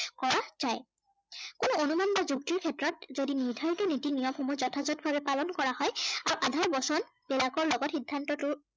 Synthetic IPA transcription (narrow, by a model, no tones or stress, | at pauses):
kɔɹazaj | kʊnʊonumanbazuk̚tiɹkʰɛtɹɔt̚zodiniɹdʱaɹjtʊnitinijɔmxɔmɔzɔtʰazɔt̚bʱabɛpalɔnkɔɹahɔjaɹuʔadʱaɹbɔsɔn | b̥ɛlakɔɹlɔɡɔtxidʱːantɔtʊ